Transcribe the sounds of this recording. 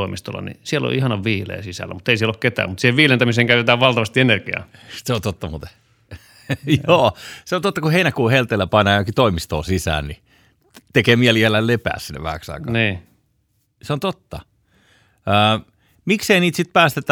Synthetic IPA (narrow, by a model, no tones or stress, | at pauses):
oˑimist̪o̰lːɑ̰nḭsielo̰ʔihɑnɑʋʋiːlḛːsisæ̰lːæmut̪ːeisieloket̪æ̰ːmut̪siːheʋʋiːlent̪æmiseːŋkæyt̪et̪æːʋʋɑlt̪ɑʋɑst̪ienerkiɑ̰ː | seont̪ot̪ːɑmṵːt̪e̥ | joːseont̪ot̪ːɑkuheinækuːhelt̪elːæpɑnɑjokit̪oimist̪o̰ːsisæ̰ːnni | t̪ekeːmiæliælːællepæ̰ːssinːḛʋæ̰hæ̰ksɑ̰ikɑɑniː | seont̪ot̪ːɑ | əː | mikseiniːt̪sit̪̚pæːst̪et̪ːæ